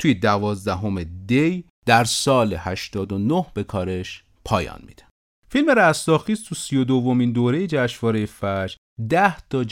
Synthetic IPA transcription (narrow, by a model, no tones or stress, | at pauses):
t̪ʰujed̪ævɒːzd̪æɦo̞med̪ej | d̪̥æɾsɒːlehæʃt̪ɒːd̪o̞nohb̥e̞kʰɒːɾe̞ʃ | pʰɒ̰ːjɒ̰ːnmḭd̪æ̥ | filmeɾæst̪ɒːxiːst̪ʰusijo̞d̪ovːo̞mind̪oːɾe̞jed͡ʒæʃvɒːɾejefæd͡ʒ | d̪æht̪ʰɒd͡ʒ